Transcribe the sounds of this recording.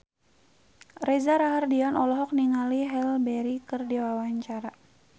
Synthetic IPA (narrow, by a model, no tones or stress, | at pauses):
rɛzaɾaɦardianɔlɔɦɔk̚niŋaliɦɛlbɛɾikɨrdiwawaɲt͡ʃaɾa